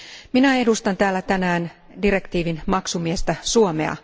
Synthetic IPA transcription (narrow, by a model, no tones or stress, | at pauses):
minæe̞dust̪ɑnt̪æːlːæt̪ænæːn | dire̞kt̪iːʋinmɑksumiest̪æsuomḛɑ̰